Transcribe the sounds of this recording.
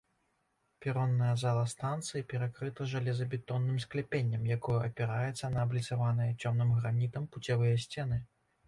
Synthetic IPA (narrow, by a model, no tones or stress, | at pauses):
pʲɛɾɔnːɐjɐzalˠɐst̪ant̪sɨjipʲɛɾakɾɨt̪ɐʐalʲɛzɐbʲɛt̪ɔnːɨmsklʲɛpʲenʲːɐmjakɔjɐʔɐpʲɛɾajɛt̪sːɐnɐːblʲit̪savanɨjɐt͡sʲɔmnɨmɣɾanʲit̪ɐmput͡sʲavɨjɐsʲt͡sʲɛn̪ɨ